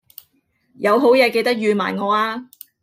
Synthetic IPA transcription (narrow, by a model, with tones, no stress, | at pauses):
jɐ˨˧wɦo˨˥wjɛː˨˧ke˧jt̪k̚jyː˨˧ma̰ː˨˩jŋɔː˨˧aː˧